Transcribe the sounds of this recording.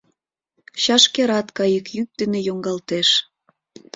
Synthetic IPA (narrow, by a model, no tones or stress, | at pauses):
ɕɑʃkeɾɑt̪kɑjəkjyk̚d̪ənejoŋɡɑlt̪eʃ